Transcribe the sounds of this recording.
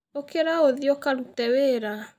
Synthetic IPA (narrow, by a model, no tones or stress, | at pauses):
okeɾaoðiɔkaɾutɛweɾa